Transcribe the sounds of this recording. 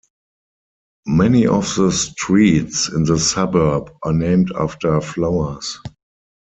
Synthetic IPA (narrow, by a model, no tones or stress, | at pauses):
mɛniʔɔfðəstɹiːtsɪ̰̃nðəsabə˞bʔanẽɪ̃mta̰ftə˞flaʊə˞s